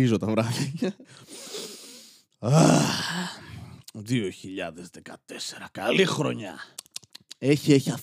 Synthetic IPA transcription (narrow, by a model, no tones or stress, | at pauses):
izot̪ɐvɾɐðɐkɐ | ɐ | ðioçiʎɐðezðekɐt̪eseɾɐkɐlixɾo̞ɲɐ̰ | eçieçiɐf